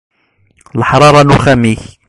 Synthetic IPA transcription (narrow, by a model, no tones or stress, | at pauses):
əlħɑɾˤɑːɾˤɑnuxæmih